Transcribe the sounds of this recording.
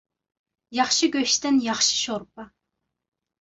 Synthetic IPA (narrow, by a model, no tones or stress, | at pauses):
jɑχʃiɡʲøʃt̪ɪnjɑχʃi̥ʃoɾpɑ